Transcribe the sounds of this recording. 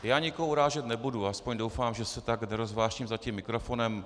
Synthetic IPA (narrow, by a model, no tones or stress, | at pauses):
jaːɲɪkoɦuɾaːʒɛt̪nɛbuduaspoɲdowfaːmʒɛsɛt̪aɡnɛɾozvlaːʃcimzacimːɪkɾofo̞nɛm